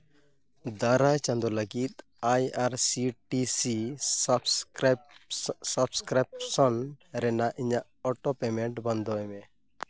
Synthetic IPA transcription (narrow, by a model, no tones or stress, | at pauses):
d̪aɾajt͡ʃãnd̪ɔləɡit̪̚ | ajaɾsiʈisi | sabskɾapsɔnɾɛnaʔiɲaʔɔʈɔpɛmɛɳʈbɔnd̪ɔɛmɛ